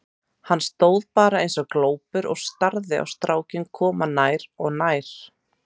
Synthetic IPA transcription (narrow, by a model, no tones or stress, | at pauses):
hanːst̪oːwðpaːɾaejnsɔɣkloːwpʏɾɔ̰ɣst̪aɾðɪa̰wst̪ɾaːwcɪnkʰɔːmanaːjɾɔɣnajɾ̥